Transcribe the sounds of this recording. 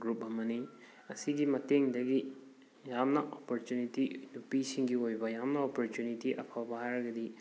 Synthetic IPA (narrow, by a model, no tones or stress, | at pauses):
ɡɾup̚ɐmɐni | ɐsiɡimɐteŋdɐɡi | jamnɐʔopoɾtunitinupisiŋɡiojbɐjamnɐopoɾtjunitiʔɐpʰawbɐhajɾɐɡɐdi